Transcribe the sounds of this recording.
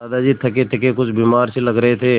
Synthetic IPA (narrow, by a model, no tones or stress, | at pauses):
aːd̪ad͡ʒiːt̪ʰɐket̪ʰɐkekʊt͡ʃʰbiːmaːɾselɐɡɾɐɦet̪ʰeː